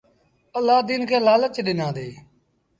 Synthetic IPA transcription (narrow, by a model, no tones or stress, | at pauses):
əlːaːd̪iːnkʰeːlaːlət͡ʃɗɪnãːd̪eː